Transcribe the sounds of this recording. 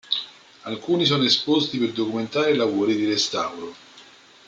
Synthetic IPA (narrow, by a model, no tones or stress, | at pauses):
alkuːnis̬ɔːnoespost̪iperd̪okument̪aːɾelavoːɾid̪iɾest̪awɾo